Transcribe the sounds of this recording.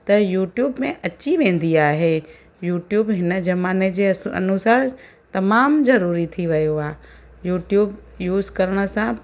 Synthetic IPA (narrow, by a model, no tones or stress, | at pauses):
t̪ɐjuːʈjuːbmẽʔɐt͡ɕiʋẽːnd̪iaːɦe | juːʈjuːbɦɪnd͡ʑɐmaːned͡ʑeːɐ̰nʊsaːɾ | t̪ɐmaːmzɐɾuːɾit̪ʰiʋɐjoaː | juːʈjuːb | juːzkɐɾəɽ̃ə̆sã